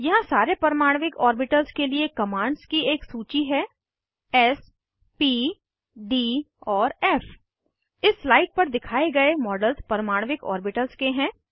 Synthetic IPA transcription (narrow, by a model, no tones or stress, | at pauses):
jɐɦãsaːɾepɐɾmaːɽ̃ʋɪkɔːɾbɪʈəlzkeliekɐmãːɳɖskieːksuːt͡ʃiɦɛː | ɛs | piː | ɖiː | ɔːɾɛːf | ɪsːlaːɪʈ̚pɐɾd̪ɪkʰaːeɡɐemɔːɖəlzpɾɐɾmaːɽ̃ʋɪkɔ̰ːɾbɪʈəlz̥keɦɛ̃ː